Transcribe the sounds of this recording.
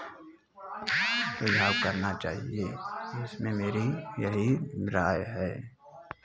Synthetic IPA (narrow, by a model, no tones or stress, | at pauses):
pɾəd͡ʒʱaːwkəɾnat͡ʃa̰ːɦieɪsmẽmeːɾijɐɦiɾaːjɦɛː